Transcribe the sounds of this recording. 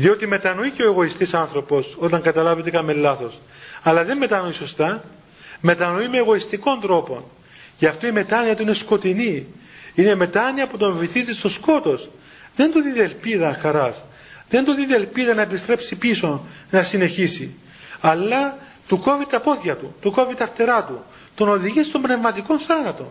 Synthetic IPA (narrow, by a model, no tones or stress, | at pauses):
ðio̞t̪ime̞t̪ɐnoiceoeɣo̞ist̪isɐnθɾo̞po̞so̞t̪ɐŋɡɐt̪ɐlɐvet̪e̞kɐmelːɐθo̞s | ɐlɐðe̞mːe̞t̪ɐnoiso̞st̪ɐ | me̞t̪ɐno̞imeːɣo̞ist̪iko̞nd̪ɾo̞po̞n | ceɐft̪oime̞t̪ɐniɐt̪uine̞sko̞t̪ini | ine̞me̞t̪ɐniɐput̪oveiθizist̪o̞sko̞t̪o̞s | ðe̞nd̪uðiðelpiðɐxɐɾɐs | ðe̞nd̪oðiðelpiðɐnɐepist̪ɾe̞psipiso̞ | nɐsine̞çisi | ɐlːɐ | t̪uko̞vit̪ɐpo̞θçɐt̪ut̪uko̞vit̪ɐft̪eɾɐt̪u | t̪ono̞ðiʝist̪ombne̞vmɐt̪iko̞nsɐnɐt̪o̞̰